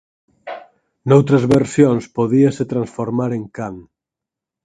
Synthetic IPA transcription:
nowt̪ɾɐzβeɾsjonspoðiaset̪ɾansfoɾmaɾeŋkaŋ

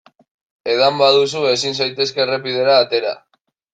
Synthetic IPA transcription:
e̞ðambað̞us̬ue̞sins̬ajt̪e̞ske̞repið̞e̞ɾaːt̪e̞ɾa̰

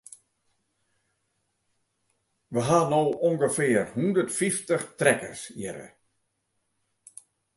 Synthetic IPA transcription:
ʋəɦanoːoŋɡəfɪərhundətfiftəχtrɛkə̰rsjɪɾə̰

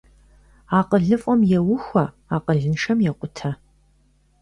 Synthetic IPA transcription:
aːqəɮɨfʼɔmjɛwʊxʷɐ | aːqəɮɨnʂɐmjɛqʷʼʊtʰɐ

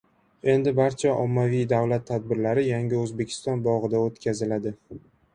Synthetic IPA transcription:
e̞nd̪ɪbaɾt͡ʃʰaʔɒmːavijd̪avlat̪ʰːad̪̚bɪɾlaɾɪjaŋʲɪɵzbe̞kʲʰɪ̥st̪ɒnbɒʁɨd̪aot̪kʲʰazɪlad̪ɪ

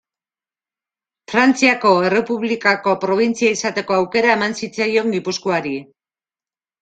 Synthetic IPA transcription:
fɾant͡siako̞e̞re̞puβlikako̞pɾo̞β̞int͡siaisat̪e̞ko̞awke̞ɾae̞mansit͡sajo̞ŋɡipuskoaɾi

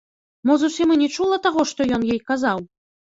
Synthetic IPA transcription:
mɔzusʲimɨnʲɛt͡ʂulˠɐt̪aɣɔʂt̪ɔjɔnjɛjkazaw

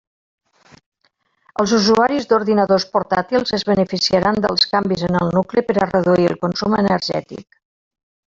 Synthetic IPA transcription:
əlˠzuzuaɾizd̪uɾðinəðospuɾt̪at̪ilˠzəzβənəfisiaɾand̪əlˠskambizənəlˠnukləpəɾərəðuiəlˠkunsumənəɾʒɛ̰t̪ḭk

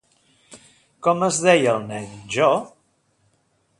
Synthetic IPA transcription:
kɔməzðɛjəlˠnɛnʒɔ

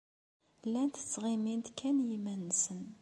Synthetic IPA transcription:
lːænt̪ə̥t͡sːʁimind̪kʰːænjimænːsən

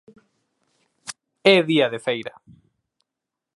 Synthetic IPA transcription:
eðiaðefejɾa

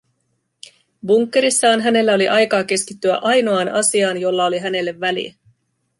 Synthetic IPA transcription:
buŋkːe̞ɾisːɑːnɦæne̞lːæo̞liʔɑjkɑːk̟e̞skit̪ːyæ̰ʔɑjno̞ɑːnɑsiɑːnjo̞lːɑo̞liɦæne̞lːeʋːælḭ

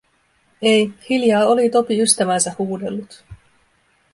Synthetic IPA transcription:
ejhiljɑːo̞lit̪o̞piyst̪æʋænsæhuːde̞̰lːut̪

